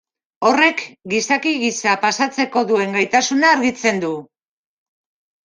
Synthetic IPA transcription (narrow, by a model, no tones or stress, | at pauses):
o̞re̞kɡisakiɣisapasat͡se̞ko̞ðue̞ŋɡajt̪asunaːɾɣit͡se̞nd̪u